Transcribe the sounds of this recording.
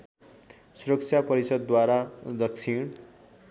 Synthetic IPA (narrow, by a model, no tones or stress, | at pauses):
suɾʌk̚t͡ʃʰjapʌɾisʌd̪ːwaɾad̪ʌksʰiɽ̃